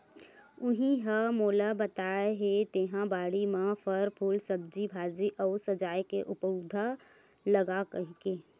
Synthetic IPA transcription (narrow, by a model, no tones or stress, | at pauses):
ʊɦĩɦamoːlabɐt̪aːeɦet̪eːɦãbaːɽimãfəɾpʰuːlsəb̚d͡ʒibʱaːd͡ʒiʔɔːsɐd͡ʒaːjkeʔʊpud̪ʱa | lɐɡakɐɦkeː